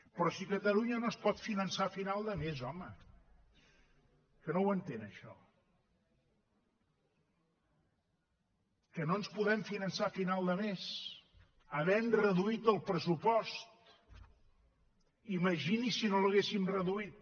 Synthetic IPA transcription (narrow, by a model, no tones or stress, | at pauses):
pɾɔsikət̪əluɲənospɔt̪finənsafinalˠd̪əmezɔmə | kənowənt̪enəʃɔ̰ | kənoənspuðɛmfinənsafinalˠd̪əmes | əβɛmrəðuit̪əlˠpɾəsupɔst̪ | iməʒinisinoləɣesimrəðuit̪̚